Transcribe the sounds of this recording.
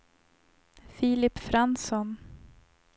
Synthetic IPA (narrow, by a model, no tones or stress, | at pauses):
fiːlɪpːfɾansɔn